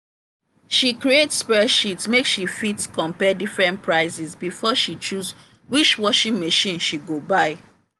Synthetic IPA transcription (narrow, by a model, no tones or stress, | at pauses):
ʃikɹietspɛʃitsmeksʃifitkʰɔ̃mpɛdifɹɛ̃nt̚pʰɹaɪsisbifɔʃit͡ʃuz | wit͡ʃwɔʃĩŋmaʃĩnʃiɡobaɪ